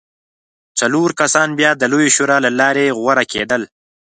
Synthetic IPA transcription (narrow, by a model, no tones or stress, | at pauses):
t͡saloɾkasɑnbjɑd̪əlojʃoɾɑlalɑɾeɣwaɾakḛd̪əl